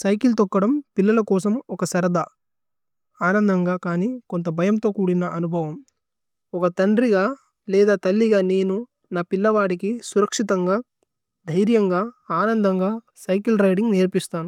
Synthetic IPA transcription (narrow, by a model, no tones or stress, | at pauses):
sɐjkilt̪ɔkːɐɽɐmpilːɐlɐkɔːsɐmɔkɐsɐɾɐd̪ɐ | aːnɐnd̪ʱɐŋɡaːkaːniːkont̪ɐbʱɐjɐmt̪o̞ːkuːɽinɐʔɐnubʱɐʋɐm | ɔkɐt̪ɐɳɖɾiɡaː | lɛːd̪aːt̪ɐlːiɡaːne̞ːnu | naːpilːɐʋaːɽikisuɾɐkʂit̪ɐŋɡaː | d̪ʱɐjɾjɐŋɡaːaːnɐnd̪ʱɐŋɡaː | sɐjkilɾɐjɖiŋɡneːɾpist̪aːnu